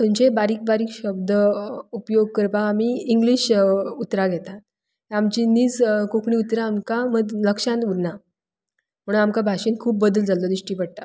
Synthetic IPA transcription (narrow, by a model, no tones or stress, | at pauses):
t̪əɲt͡ɕebaɾiːk̚baɾiːkɕəb̚d̪əupjoɡ̚kəɾpakamiːiŋɡliːɕut̪ɾaɡʱɛt̪at̪ | eamt͡ɕiːniːd͡zkokɳiːut̪ɾaːmkaməd̪ləkʂãnt̪uɾna | m̤əɽunamkabʱaʂinkʰuːp̚bəd̪əld͡zalod̪ɾiʂʈiːpəɽ̚t̪a